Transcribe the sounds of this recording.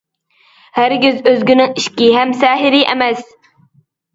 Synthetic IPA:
hæɾɡʲyzøzɡʲynɪŋiʃkʲiɦæmsɛːɦɪɾiʔɛ̰mɛs

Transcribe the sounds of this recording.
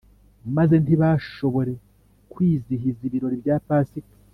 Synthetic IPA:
maze̞ntiβaːʃo̞βo̞ɾe̞ | kwiːziɦiziβiɾo̞ɾibjaːpaːsik

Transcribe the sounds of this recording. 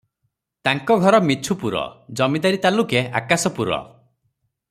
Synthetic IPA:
t̪aŋkɔɡʱɔɾɔmit͡ʃʰupuɾɔ̰d͡ʒɔmid̪aɾit̪alukeakasɔpuɾɔ̰

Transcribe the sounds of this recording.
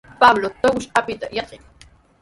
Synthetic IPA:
pablot̪awʊʃapɪt̪a̰jɑqɪŋ

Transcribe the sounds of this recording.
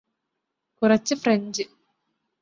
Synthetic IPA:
kurɐt͡ɕːɨfreɲd͡ʑɨ

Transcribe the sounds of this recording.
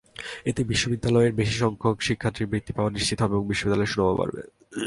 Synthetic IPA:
et̪ebiʃːobid̪ːalɔeɾbeʃiʃɔŋkʰokʃikʰːaɾt̪ːiɾbɾit̪ːipaoaniʃt͡ɕit̪oɦɔbeboŋbiʃːobid̪alɔeʃunobapa̰ɾbḛ

